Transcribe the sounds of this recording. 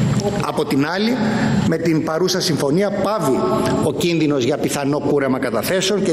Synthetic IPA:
ɐ̰po̞t̪inɐlime̞t̪inpɐɾusɐsiɱfo̞niɐpɐvio̞cinðino̞zʝɐpiθɐno̞kuɾemɐkɐt̪ɐθe̞seo̞ɲce

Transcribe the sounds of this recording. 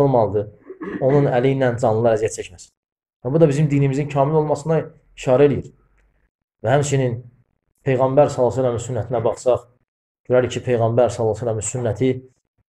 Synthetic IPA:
olˠmɑlˠɯd̪ɯo̞nunæliinænd͡ʒɑnlˠɯlˠɑɾæzijæt̪̚t͡ʃʰæcmæsi̥n | væbud̪ɑbizimd̪inimizincʰɑːmilo̞lˠmɑsɯnɑ | iʃɑːɾæelijiɾ | væhæmt͡ʃʰinin | pʰe̞jɣɑmbæɾsɑlˠːɑs̬ælæminsynːæt̪ʰinæbɑχsɑχ | ɟøɾæɾicʰipʰe̞jɣɑmbæɾsɑlˠːɑsælːæminsynːæt̪ʰi

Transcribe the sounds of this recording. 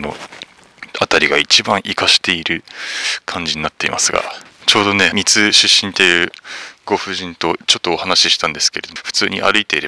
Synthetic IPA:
no̞̰ | at̪aɾʲiɡait͡ɕibãɰ̃ʔikaɕi̥t̪e̞iɾɯ̟kʰãɲ̟d͡ʑiɲ̟inat̪ːe̞ḭma̰sɨɡa̰t͡ɕo̞ːd̪o̞ne̞mʲit͡sɨɕɨɕːĩnt̪e̞jɯ̟ɡ̥o̞ɸɯ̟ʑĩnt̪o̞t͡ɕo̞t̪ːo̞ːhanaɕiɕi̥t̪ãnd̪e̞sɨ̥ke̞ɾe̞d̪oɸɯ̟̥t͡sɨːɲ̟iʔa̰ɾɯ̟it̪e̞iɾe̞ba

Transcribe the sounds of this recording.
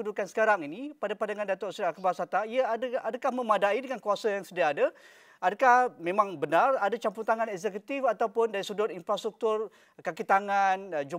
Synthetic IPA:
udukansə̥kaɾaŋinipadapandaŋãndat̪ɔʔsiɾakəbasat̪aiadadakahmə̃madaidəŋankuasajaŋsədiaːda | adakahmẽmãŋbənaradat͡ʃamput̪aŋãnɛkzɛkut̪ifat̪awpʊndaɾisudʊrinfɾast̪ɾuk̚t̪ʊr | kakit̪aŋand͡ʒu

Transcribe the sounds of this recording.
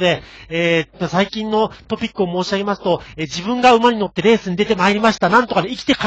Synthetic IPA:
d̪e̞eːasaikʲĩnːo̞t̪o̞pʲikːɯo̞mo̞ːɕiaɡe̞masɨ̥t̪o̞eːd͡ʑibɯ̟̃ŋɡaɯ̟maɲ̟ino̞t̪ːe̞ɾe̞ːsɨɲid̪e̞t̪e̞maeɾʲimaɕi̥t̪anãnt̪o̞kad̪eikʲi̥t̪e̞ka

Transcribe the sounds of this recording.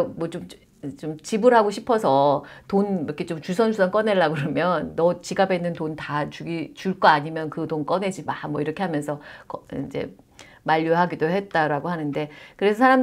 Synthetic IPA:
mwʌt͡ɕom | t͡ɕomt͡ɕibɯɾɦaɡoɕʰipʰʌsʰʌtonʌkʰet͡ɕomt͡ɕus̬ʰʌnsʰusʰank͈ʌne̞ɭːaɡɯɾʌmjʌnːʌt͡ɕiɡabenːɯntontat͡ɕuɡit͡ɕuɭk͈ʌaɲimjʌnkɯtonk͈ʌne̞d͡ʑimamwʌiɾʌkʰe̞ɦamjʌnsʰʌkʌind͡ʑḛ | maʎːoɦaɡidoɦe̞t̚t͈aɾaɡoɦanɯnde̞kɯɾe̞sʰʌsʰaɾam

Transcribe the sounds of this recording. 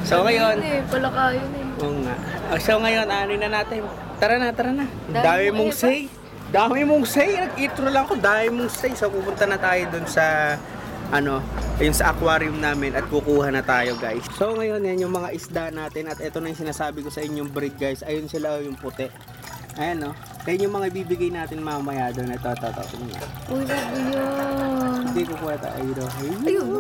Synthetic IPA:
soŋɐjo̞npɐlokajonɛʔoːŋa̰ʔʔosoŋɐjo̞nʔaːnojnɐnaːt̪ɪn | t̪ɐɾɐnat̪ɐɾɐnɐ | d̪aːmɪmoŋsɛj | d̪aːmɪmʊŋsɛjnɐɡʔiːt̪ɾolɐŋɐkod̪aːmɪmoŋsɛjsowpupʊnt̪ɐnɐt̪aːjod̪ʊnsɐ | ʔɐno̞jʊnsɐʔɐkwaːɾjʊmnaːmɪnʔɐt̪̚kukuːhɐnɐt̪aːjo̞ɡajsso̞ŋɐjo̞njɐnjʊŋmɐŋaʔɪsd̪anaːt̪ɪnɐt̪ʔɛt̪o̞nɐjʊŋsɪnaːsaːbɪkosɐʔɪɲːoŋbɾid̪̚ɡajsʔɐjonsɪlajʊŋpʊt̪ɛʔ | ʔɐjanːo̞ | kɐjɐnjʊŋmɐŋaibiːbɪɡajnaːt̪ɪnmɐamɐjaːd̪onɛt̪ot̪ot̪ʔsɐmɐnɐ̰ʔojɐɡjo | hɪnd̪iːkopwɛːt̪ɐ̰ʔɐ̰jd̪oɦajj

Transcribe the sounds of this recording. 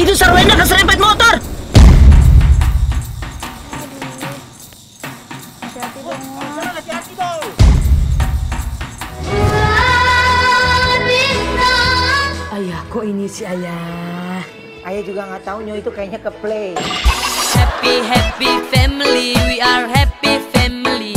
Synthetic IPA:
it̪usaɾwenakəs̬ɾɛmpɛt̪̚mot̪ɔr | ad͡ʒat̪i | bi | ajakɔʔinisiaja | ajad͡ʒuɡaŋaʔt̪auɲoit̪ukajaɲakəplej | hɛpiɦɛpifɛmliwiaɹɦɛpifɛmili

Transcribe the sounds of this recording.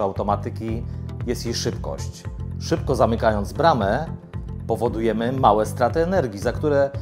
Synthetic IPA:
awt̪ɔmat̪ɘkʲijɛst̪jeʂɘpkɔ̰ɕt͡ɕʂɘpkɔzamɘkajɔnd̪zbɾamɛ | pɔvɔd̪ujɛmɘmawɛst̪ɾat̪ɘɛnɛɾɡʲizakt̪uɾɛ

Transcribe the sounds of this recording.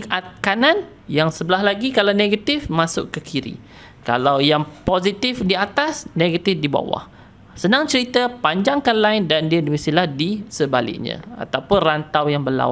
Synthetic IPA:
at̪̚kanan | jaŋsəbəlaɦlaɡikalawneɡat̪ifmasʊ̰ʔkəkʰiɾḭ | ka̰lawjaŋpozit̪ifdiat̪asneɡat̪ɪfdiba̰wa̰h | sənãŋt͡ʃəɾit̪əpaɲd͡ʒaŋkanlaɪndandiadimisilahdisəbalɪ̰k̚ɲã̰a̰t̪awpʊnrant̪awjaŋbəla̰wa

